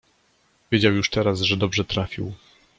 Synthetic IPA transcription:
vʲjed͡ʑawjuʂt̪ɛɾazʐɛd̪ɔbʐɛt̪ɾafʲḭw

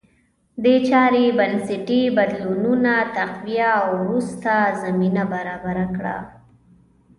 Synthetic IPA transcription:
d̪et͡ʃɑɾebanseʈibad̪lununat̪aqwijaːwɾust̪azaminabaɾɑbaɾakɽa̰

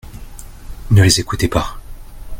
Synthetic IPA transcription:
nəlezekut̪epa

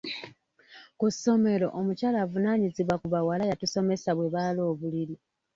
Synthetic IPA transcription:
kuso̞me̞lo̞̰ʔomucaːlaːvunaːɲiziβwakuβawalajatuso̞me̞saβwe̞βaːlo̞ːβuliɾi

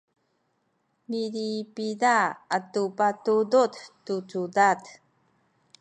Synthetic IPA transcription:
miɾipidaatupatuduttut͡sudat

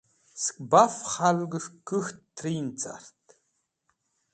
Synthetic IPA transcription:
skʼbafχalɡɨʂɡɨxtːʰrint͡sʰʼa̰rtʰ

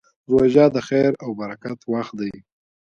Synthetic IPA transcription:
zoʒɑd̪əxajɾawbaɾakat̪waxt̪d̪aj

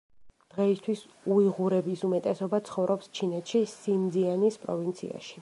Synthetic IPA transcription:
d̪̥ʁɛist̪ʰwis | uiʁuɾɛbisumɛt̪ʼɛsɔbat̪sʰχɔvɾʔɔpst͡ʃʰinɛt̪ʃisimd̪zianispʼɾɔ̰vint̪sʰḭa̰ʃi̥

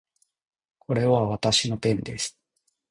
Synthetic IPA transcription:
kʰo̞ɾe̞βaβat̪aɕino̞t̪ẽ̞nd̪e̞sɨ̥

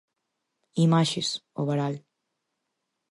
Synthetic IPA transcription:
imaʃesoβaɾal

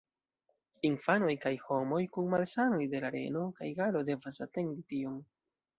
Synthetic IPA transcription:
infano̞jkajho̞mo̞jkunmalsano̞jde̞laɾe̞̰no̞kajɡalo̞de̞vasate̞nditio̞ŋ

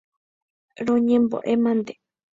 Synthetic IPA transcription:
ɾoɲẽmbo̰ʔemãnd̪e̥

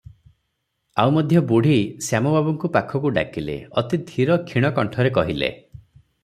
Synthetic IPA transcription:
awmɔd̪ʱjɔbuɽ̤ʱisjamɔbabɔŋkupakʰɔkuɖa̰kilḛɔt̪id̪ʱiɾɔkʰiɽ̃ɔkɔɳʈʰɔɾekɔɦilḛ

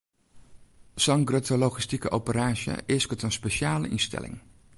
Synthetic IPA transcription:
sɑŋɡrøtəloχistikəʔowpəraːʒjə̰ʔɪskətənspeʃaːlə̰ʔinstɛ̰lɪ̰ŋ

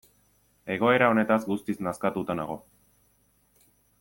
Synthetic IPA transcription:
e̞ɣ̞o̞e̞ɾao̞ne̞t̪azɡust̪iznaskat̪ut̪anaɣ̞o̞̰

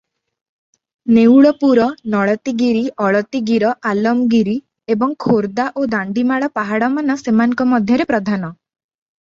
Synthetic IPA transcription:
newɭɔpuɾɔnɔɭɔt̪iɡiɾiʔɔɭɔt̪iɡiɾɔʔalɔmɡiɾi | ebɔŋkʰoɾd̪aʔod̪aɳɖimaɭɔpaɦaɽɔmanɔsemaŋɔ̃ŋkɔmɔd̪ʱjɔɾepɾɔd̪ʱanɔ

